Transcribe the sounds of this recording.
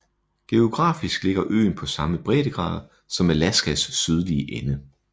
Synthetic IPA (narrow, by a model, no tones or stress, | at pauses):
ɡ̥e̝o̝ɡ̥ʁɑ̰̈ːfisɡ̥le̝ɡ̥ɐʔø̰ːnpʰɒ̽sɑ̈məb̥ʁɛ̰ːɾ̥əɡ̥ʁɑ̰̈ːð̞̩ˠ | sɒ̽melæsɡ̥æsːyð̞ˠliəʔenə